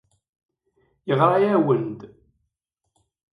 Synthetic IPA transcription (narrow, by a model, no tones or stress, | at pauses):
jəʁɾˤɑjæwənd̪